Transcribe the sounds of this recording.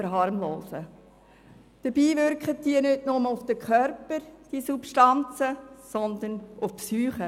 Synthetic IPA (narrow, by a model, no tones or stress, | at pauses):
əɾɦɑːɾmloːsə | d̥əb̥iːʋʏɾkχət̚diːənʏdnʊməʊfd̥̪əkʰχœɾpəɾd̥isupʃtɑnt͡səsɔnd̪ənʔʊfpsyːχə